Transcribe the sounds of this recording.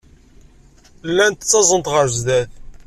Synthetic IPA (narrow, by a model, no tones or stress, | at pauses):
lːænt̪t͡sːɑzˤənt̪ʁəɾzðæθ